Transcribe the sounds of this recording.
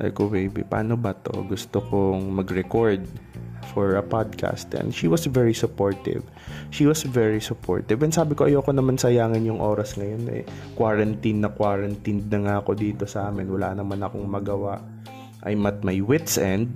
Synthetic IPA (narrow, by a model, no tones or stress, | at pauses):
ʔɐ̰jkowejbḭpa̰ːnobɐt̪o̞̰ɡʊst̪okoŋmɐɡɹɛkoɹd̪̚fɔɹɐpad̪̚kʰa̰st̪ɛ̰nʃiwɐsvɛɹisʊpoɹt̪ɪ̰v | ʃiwɐsvɛɹisʊpʰo̰ɹt̪ɪvɛnsaːbɪkoʔɐjokonɐmansɐjaːŋɪnjʊŋʔoːɾɐsŋɐjo̞nʔɛ̰kwaːɹɐnt̪inːɐkwaːɾɐnt̪ind̪̚nɐŋaɐko̞d̪iːt̪o̞sɐʔaːmɪnwɐla̰ːnɐmanɐkoŋmɐɡɐwaʔ | ʔɐ̰jmɐt̪̚mɐjwɪt̪sʔɛnd̪̚